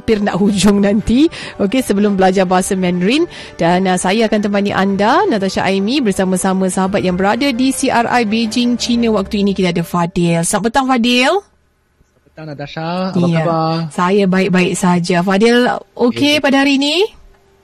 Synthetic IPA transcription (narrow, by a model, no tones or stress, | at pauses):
pɪrna̰ʔɦud͡ʒʊŋnãnt̪iokesəbəlʊmbəlad͡ʒarbaɦasamɛ̃nɾin | d̥anasajaːkant̪əmpanḭʔandanat̪aʃa̰ʔajmĩbərsamãsamãsəɦabat̪̚jaŋbəɾadadisiʔara̰jbed͡ʒɪŋt͡ʃinə̃wak̚t̪uinikit̪aadafadɛlsapːət̪aŋfadɪl | ijasajabaɪk̚baɪʔ̚sad͡ʒafadɛlokepadaɦaɾiːni